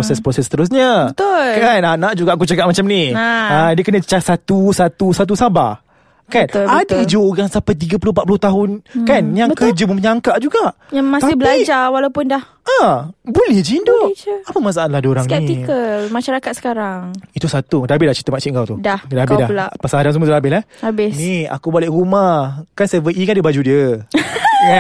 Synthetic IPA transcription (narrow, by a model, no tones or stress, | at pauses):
osɛspɾosɛst̪əɾʊs̬ɲəbət̪ʊlkananãʔd͡ʒuɡaʔakut͡ʃakaʔ̚mat͡ʃamniaadiəkənə̃t͡ʃasat̪usat̪usat̪̬usaba̰ | kanadəid͡ʒooɡaŋsapajt̪̬iɡəpulʊpat̪̚pulʊht̪aɦʊnkanjaŋkəd͡ʒəuməɲaŋkaʔd͡ʒuɡaʔ | jamasɪhbəlad͡ʒawalawpʊndah | abulɛhd͡ʒindoʔapəmas̬aaanlahdoɾaŋnaiikəmaʃaɾakat̪̚sə̥kaɾaŋit̪usat̪ukədabɪhdaht͡ʃi̥t̪əmat͡ʃiʔŋkawt̪udahkədabɪdalaʔpəsaadans̬əməulahabɪhlahabɪnia̰kubolɛhɾumahkansevəʔikandiəbad͡ʒudiə